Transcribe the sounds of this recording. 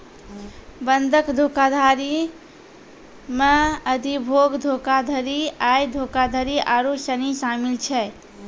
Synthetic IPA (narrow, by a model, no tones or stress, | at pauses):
bənd̪ʱəkd̪ʱokad̪ʱaɾi | meəd̪ʱibʱoɡd̪ʱokad̪ʱəɾiajd̪ʱokad̪ʱəɾiʔaɾusənisamilt͡ʃʰɛ